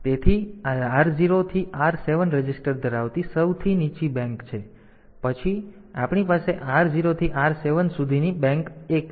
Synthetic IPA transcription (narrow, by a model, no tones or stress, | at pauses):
t̪et̪ʰiaɾd͡ʒiɾot̪ʰiʔaɾseʋənɾəd͡ʒɪsʈəɾd̪ʱəɾaʋt̪isəwt̪ʰinit͡ʃibɛ̃ŋkt͡ʃʰe | pət͡ʃʰi | apɳipaseʔaɾziɾot̪ʰiʔaɾseʋənsud̪ʱinibɛ̃ŋkek